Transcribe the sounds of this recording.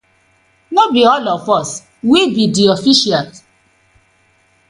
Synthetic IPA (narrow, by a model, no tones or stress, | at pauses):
nobiɔlɔfɔs | wibidiofiʃia